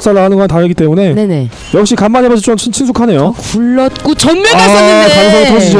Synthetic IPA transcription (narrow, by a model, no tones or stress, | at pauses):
ks͈aɾaɦanɯnɡʌnantaɾɯɡit͈emune̞nene | jʌk̚ɕ͈ikamːaɲɦebad͡ʑʰʌt͡ɕ͈omt͡ɕʰit͡ɕʰinsʰukʰane̞jokuɭːʌt̚k͈ot͡ɕʌnmjʌaekais̬ʰʌt͡ɕʌd͡ʑʰid͡ʑi